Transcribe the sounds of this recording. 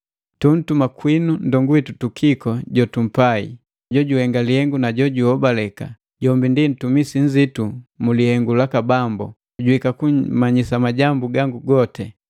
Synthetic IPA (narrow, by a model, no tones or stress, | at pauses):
tun̩tumakwinundɔŋɡuitutukʰikɔɟɔtum̩paḭ | ɟɔɟuhɛŋɡalihɛŋɡunaɟɔɟuhɔbalɛka̰ | ɟɔmbindin̩tumisiɲ̩zitumulihɛŋɡulakabambɔ̰ | ɟuwikakumaɲisamaɟambuɡaŋɡuɡɔtɛ